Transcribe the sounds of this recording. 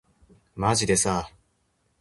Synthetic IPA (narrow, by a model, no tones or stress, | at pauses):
maʑid̪e̞sa